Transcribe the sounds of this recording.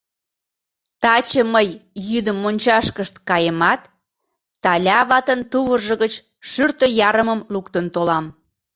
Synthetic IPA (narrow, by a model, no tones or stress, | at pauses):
t̪ɑt͡ɕəməjːyd̪əmːonʲt͡ɕɑʃkəʃt̪kɑjəmɑt̪ː | ɑlʲɑβɑt̪ənt̪uβərʒə̆ɣət͡ɕ | ʃyrt̪ə̆jɑɾəməmlukt̪ənt̪olɑm